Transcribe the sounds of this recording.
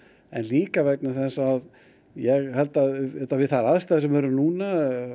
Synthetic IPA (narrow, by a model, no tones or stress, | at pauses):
ɛ̰nliːkavɛknaθɛsaað | jɛɣhɛlt̪aðɛlt̪avɪðθaɾaðst̪aːðsɛmvɛːɾʏmnuːna